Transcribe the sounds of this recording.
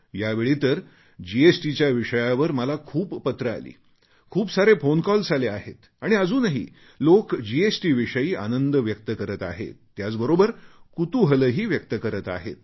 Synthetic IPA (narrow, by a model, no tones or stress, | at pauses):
jaʋeɭiːt̪əɾ | d͡ʑiesʈit͡ɕjaʋiʂəjaʋəɾməlakʰuːppət̪ɾəa̰lḭː | kʰuːpsaɾefonkɔld͡zaleaɦet̪ | aɽ̃iəd͡zuːnaɦḭː | lokd͡ʑiesʈiːʋiʂəjiːʔa̰nənd̪əʋjək̚t̪əkəɾət̪a̰ɦḛt̪ːjat͡sbəɾobəɾkut̪uɦələɦiːʋjək̚t̪əkəɾət̪a̰ɦḛt̪̚